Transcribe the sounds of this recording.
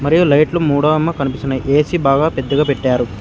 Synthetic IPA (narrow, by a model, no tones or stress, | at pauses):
mɐɾijulɐjʈlumuːɽɐʋɐmːɐkɐnipisunɐʔeːsibaːɡaːped̪ːɐɡaːpeʈːaːɾu